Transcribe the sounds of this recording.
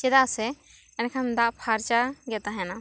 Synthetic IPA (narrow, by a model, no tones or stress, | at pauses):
t͡ʃɛd̪asɛ | ɛnkʰand̪aʔpʰaɾt͡ʃaɡɛt̪aɦɛna